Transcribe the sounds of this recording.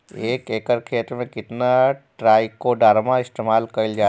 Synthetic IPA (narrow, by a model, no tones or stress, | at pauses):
eːkeːkəɾkʰeːt̪ɾmẽkɪt̪naʈɾaːikoɖaːɾmaɪst̪eːmaːlkɐld͡ʒaː